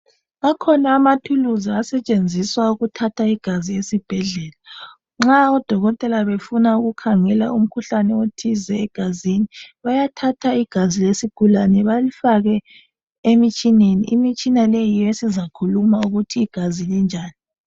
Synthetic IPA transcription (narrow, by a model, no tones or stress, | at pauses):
akʰɔnaːmatʰuluzaːsɛt͡ʃʼend͡zʱiswauɣutʰatʰaiɡ̥ʱaziesib̥ʱɛɮɛːla | ŋ͡ǁaɔd̥ʱɔɣɔtʼɛlaβefunauɣukʰaŋɛla̰um̩kʰuɬanɛotʰizɛːɡ̥ʱaziniβajatʰatʰaiɡ̥ʱazilesiɡ̥ʱulanɛβalifaɣɛ | emit͡ʃʼineniʔimit͡ʃʼinalejijesizakʰulumauɣutʰiːɡ̥ʱazilind͡ʒʱaːni